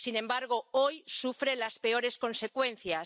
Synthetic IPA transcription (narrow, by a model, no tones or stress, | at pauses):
sinẽmbaɾɣ̞oojsufɾelaspe̞o̞ɾe̞skõ̞nsekwen̟θja